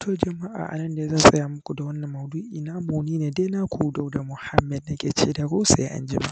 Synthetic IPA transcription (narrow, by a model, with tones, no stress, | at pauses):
tʰoː˨d͡ʒɐ˨ma˦ʔa̰ː˨ʔa̰˨nɐ˦nda˨ja˦zaː˦su˨jaː˦˨mʊ˦kʷu˨da˨wɐ˦nːɐ˨mːɐ˨duː˦ʔiː˨naː˦moː˨niː˦ne˨deː˦naː˦kʷʰu˨da˦˨wda˨mʊ˨ha˦mːɛ˨dna˦ɡʲe˨t͡ʃeː˦da˨ɡoː˦sa˨ja̰˦ʔa̰˦nd͡ʒɪ˦ma̰˦ʔ